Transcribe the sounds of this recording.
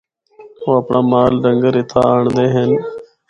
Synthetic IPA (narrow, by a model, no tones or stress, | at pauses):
oːəpɳaːmaːlɖəŋɡəɾɪt̪ʰa̰ːaːɳd̪eːɦən